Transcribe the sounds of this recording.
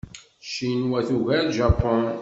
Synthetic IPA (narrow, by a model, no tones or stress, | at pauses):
ʃinwæθuʝæʒɑpːɔn